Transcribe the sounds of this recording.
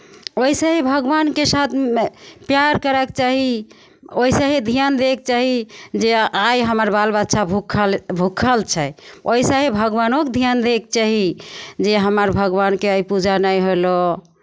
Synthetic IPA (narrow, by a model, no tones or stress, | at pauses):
oisə̃ɦibʱəɡbankesat̪ʰpjaɾkəɾɛkt͡ʃaɦi | oisə̃ɦid̪ʱijand̪ek̚t͡ʃaɦid͡ʒeajɦəməɾbalbətːʃʰabʱukʰbʱukʰəlt͡ʃʰɛoisə̃ɦebʱəɡbanokd̪ʱijand̪ek̚t͡ʃaɦid͡ʒeɦəməɾbʱəɡbankeaipud͡ʒanəjɦolo